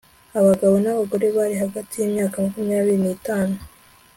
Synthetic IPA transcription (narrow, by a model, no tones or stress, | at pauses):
aβaɡaβo̞naβaɡo̞ɾe̞βaɾiɦaɡatijimɲaːkamakumijaːβiɾiniːtaːno